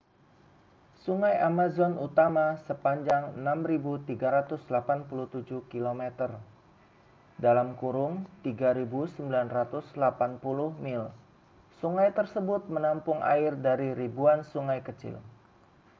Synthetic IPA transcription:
suŋajʔamazɔnut̪amasəpaɲd͡ʒaŋənamribut̪iɡaɾat̪ʊslapanpuluht̪ud͡ʒuhkilomɛt̪ər | dalamkuɾʊŋt̪iɡaɾibusəmbilanrat̪ʊslapanpulʊhmɪl | suŋajt̪ərsəbʊt̪̚mənampʊŋa̰ɪrdaɾiɾibuansuŋajkət͡ʃɪ̰l

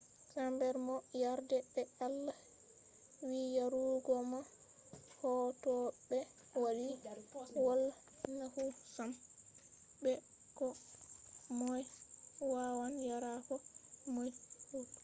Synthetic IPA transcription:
kambɛɾmɔjaɾdɛbɛalːa | wijaɾuɡɔma | hɔtɔɓɛ | wali | wɔl | nahusam | bɛ | kɔ | mɔjwawanjaɾakɔmɔjhu

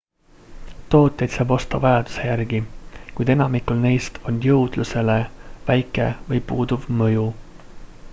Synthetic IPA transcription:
t̪o̞ːt̪ːˑe̞jd̪sɑːbo̞st̪ɑvɑjɑd̪̥u̥se̞jærɡikujd̪̥e̞nɑmikːˑulne̞jst̪ʰo̞njɤwd̪̥luse̞le̞væjkːˑe̞̰vɤjpuːd̪̥uvmɤju

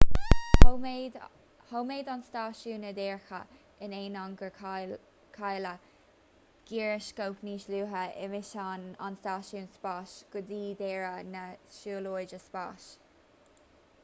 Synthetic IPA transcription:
howmeːd̪anstaːʃuːnəd̪ɛːɹxə̰ | ɪneːnɔŋɡə | kʰajlə | ɡ̥iːɹɪʃkowpniːʃluːɦəɪ̰mɪʃana̰nstaːʃuːnspaːʃɡ̥ʊd̪iːd̪ɛːɹənəʃuːloːd͡ʒəspa̰ːʃ

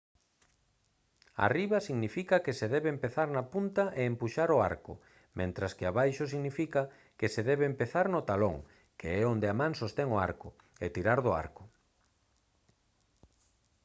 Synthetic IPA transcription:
a̰riβɐsiɣnifikɐkeseðɛβeempeθaɾnɐpunt̪ɐʔeːmpuʃaɾʊa̰ɾkʊ̰ | mʔẽnt̪ɾaskɪaβajʃʊsiɣnifikɐ | keseðɛβeempeθaɾnʊt̪alo̰ŋ | keɛond̪eamãŋsost̪ɛŋoa̰ɾkʊ | et̪iɾaɾðʊa̰ɾkʊ̥

